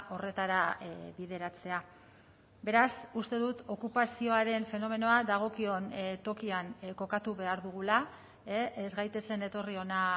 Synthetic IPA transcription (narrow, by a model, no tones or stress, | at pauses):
ʔo̞re̞t̪aɾabiðe̞ɾat͡se̞a | be̞ɾasust̪e̞ðut̪o̞kupasio̞aɾe̞ɱfe̞no̞me̞no̞ad̪aɣ̞o̞kio̞nt̪o̞kianko̞kat̪uβe̞aɾðuɣ̞ula | eezɣajt̪e̞se̞ne̞t̪o̞rio̞na